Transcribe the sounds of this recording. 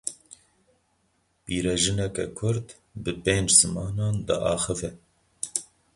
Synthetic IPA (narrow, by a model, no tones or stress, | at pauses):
piːɾɛʒɨnɛkɛ̰kʰʊɾd̪ | bɨpeːnd͡ʒz̥ɨmɑːnɑːnd̪ɨ̰ʔɑːxɨvɛ